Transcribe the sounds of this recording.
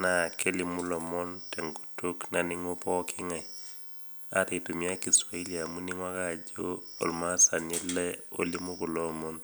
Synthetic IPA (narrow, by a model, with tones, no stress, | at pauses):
na˨ke˦lɪ˨mʊ˦lɔ˨mɔ˦ntɛ˨ŋɡo˨tu˦kna˨nɪ˦ŋo˦pɔ˦kʰɪ˦ŋɛ˨ | a̰˦tɪ˨to˨mi˦a˦ki˨swa˨i˦lia˨mu˦ni˦ŋwa˦ɡa˦˨d͡ʒo˦o̰˨lma˦sa˨nɛ˦lːɛ˦o̰˦li˦mo˦ko˨lɔ˦mɔ˦n